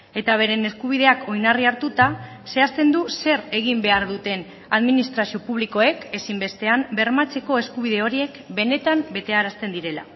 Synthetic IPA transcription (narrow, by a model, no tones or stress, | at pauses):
e̞t̪aβ̞e̞ɾe̞ne̞skuβ̞ið̞e̞akʰo̞jnariaɾt̪ut̪a | se̞ast̪e̞nd̪use̞ɾe̞ɣ̞imbe̞aɾðut̪e̞n | aðminist̪ɾasio̞puβ̞liko̞e̞ke̞simbe̞st̪e̞ambe̞ɾmat͡se̞ko̞e̞skuβ̞iðe̞o̞ɾie̞kbe̞ne̞t̪ambe̞t̪e̞aɾast̪e̞nd̪iɾe̞la̰